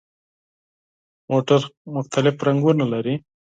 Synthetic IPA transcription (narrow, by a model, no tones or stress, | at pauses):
moʈəɾmʊxt̪alɪfɾaŋɡunalaɾi